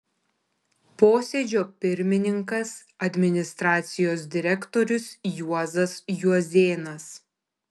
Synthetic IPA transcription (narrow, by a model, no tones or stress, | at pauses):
poːsʲeːd͡ʒʲoːpʲɪɾʲmʲɪnʲɪŋkɐs | ɐd̪ʲmʲɪnʲɪst̪ɾɑːt̪sʲɪjoːs̬d̪ʲɪɾʲɛkt̪oːɾʲʊsjuɔzɐsjuɔzʲeːnɐs